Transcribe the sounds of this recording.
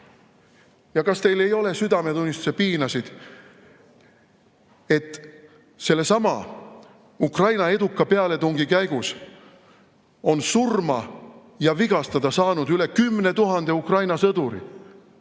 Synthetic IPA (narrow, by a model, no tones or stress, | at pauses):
jɑkɑst̪e̞jle̞jo̞le̞syd̪ɑmet̪unʲːist̪u̥sepiːnɑsid̪̥ | e̞t̪ːˑ | se̞lːe̞sɑmɑ̰ | ukrɑjnɑe̞d̪ukːɑpeɑle̞t̪uŋɡ̥ikæjɡ̥us | o̞nsurmɑ | jɑviɡ̥ɑst̪ɑd̪̥ɑsɑːnud̪yle̞kymːne̞t̪uɦɑnd̪̥e̞ukrɑjnɑsɤd̪uɾḭ